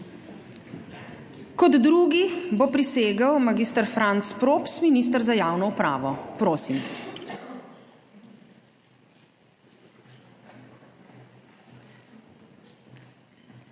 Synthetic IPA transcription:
kɔd̪ɾuːɡibopɾiseːɡawmaɡiːst̪əɾfɾant̪spɾoːpsminis̬t̪əɾzajaːwnɔupɾa̰ːʋɔpɾoːsim

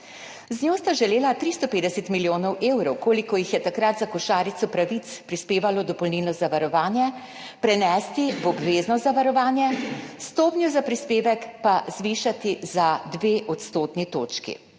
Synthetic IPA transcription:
znjoːst̪aʒɛleːlat̪ɾist̪ɔpeːd̪ɛsɛt̪miljoːnɔwʔeːwɾɔwkoːlikɔjixjɛt̪akɾat̪zakɔʃaːɾit̪sɔpɾaʋit̪spɾispeːʋalɔd̪ɔpɔlnilnɔzaʋaɾɔʋaːnjɛ | pɾɛnɛst̪iʋɔbʋeːznɔzaʋaɾɔʋaːnjɛst̪oːpnjuzapɾispeːʋɛkpaz̥ʋiːʃat̪izad̪ʋeʔɔt̪st̪oːt̪nit̪oːt͡ʃkḭ

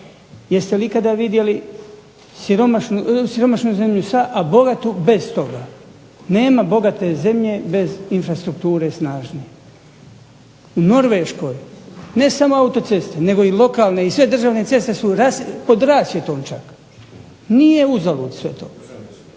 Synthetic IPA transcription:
jest̪e̞likad̪aʋid̪je̞li | siɾomaʃnusiɾo̞maʃnuze̞mʎusaʔabo̞ɡat̪ube̞zt̪o̞ɡaː | ne̞ːmabo̞ɡat̪e̞ze̞mʎe̞be̞zinfɾast̪ɾukt̪uːɾesnaːʒnie | uno̞ɾʋeːʃko̞ːjne̞samo̞aut̪o̞t̪se̞st̪ene̞ɡo̞ilˠo̞kaːlˠne̞isʋe̞d̪rʒaːʋne̞t̪se̞st̪e̞suɾaspo̞d̪ɾaːsje̞t̪o̞ːmt͡ʃak | nije̞uzaluːd̪sʋe̞t̪o̰ː

